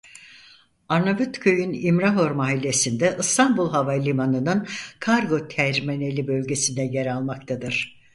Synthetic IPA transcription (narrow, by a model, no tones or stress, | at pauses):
aɾnabyt̪kʰøjynimɾaɦo̞ɾmaːɦilʲːe̞sind̪ɛʔɯst̪ʰambulˠɦavalʲimanɯnɯnkʰaɾɡo̞t̪ʰæɾmene̞lʲibø̞lʲɟe̞sind̪ɛjɛɾalˠmak̚t̪ʰad̪ɯɾ̥